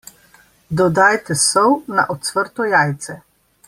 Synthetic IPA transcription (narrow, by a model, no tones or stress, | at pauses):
d̪ɔd̪ajt̪ɛsɔwna̰ʔɔt̪sʋəɾt̪ɔjaːjt̪sɛ